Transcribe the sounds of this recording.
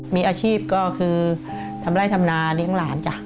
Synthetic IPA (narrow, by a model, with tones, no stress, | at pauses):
miː˧ʔaː˧t͡ɕʰiː˥˩p̚kɔː˥˩kʰɯː˧ | t̪ʰa˧mɾaː˥˩jt̪ʰa˧mnaː˧li˦˥əŋlaː˩˦nt͡ɕa˨˩ʔ